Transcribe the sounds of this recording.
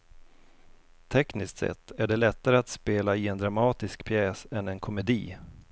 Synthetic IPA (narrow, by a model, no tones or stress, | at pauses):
t̪ʰɛknɪskt̪sɛ̰t̪ːæɖɛlɛt̪ːaɾəat̪speːlaɪɛnd̪ɾamɑːt̪ɪskpʰjɛːsɛnɛnkʰɔmɛd̪ḭː